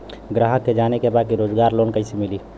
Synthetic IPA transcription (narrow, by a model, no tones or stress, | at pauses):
ɡɾaːɦəkːed͡ʒaːnekebaːd̪̚kiɾoːd͡ʒɡaːɾloːnkəɪsimɪli